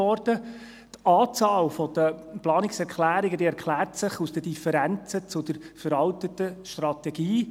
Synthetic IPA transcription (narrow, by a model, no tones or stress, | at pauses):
ɔrd̥ə | t̪ɑːt͡sɑːlfɔd̥əplɑːnɪksɛɾkʰlæːɾɪɡəd̪iːɛɾkʰlæːrtsɪχusd̥̪əd̥ifɛɾænt͡sət͡sʊd̥əɾ | fəɾɑltətəʃtrɑt̪ɛɡ̥iː